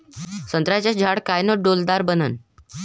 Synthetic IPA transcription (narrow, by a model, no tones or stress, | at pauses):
sənt̪ɾat͡ɕasd͡ʑʱaɽkajnəɖold̪aɾbənən